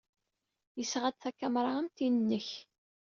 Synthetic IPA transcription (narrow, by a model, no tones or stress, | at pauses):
jəsʁæd̪θækːæmɾˤɑəmt̪innːəç